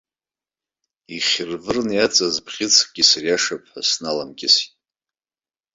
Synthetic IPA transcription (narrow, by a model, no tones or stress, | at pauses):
iχʲɪrvɨrnjat͡sʼazbʰχʲɪt͡sʰk̚ʼɡʲisarjaʂapʰʼħasnalamɡʲʼɪsit